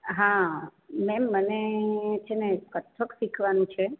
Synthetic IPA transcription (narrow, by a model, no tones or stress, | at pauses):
ɦã | mɛmːənet͡ʃʰenekət̪ʰːəksikʰʋanũt͡ʃʰe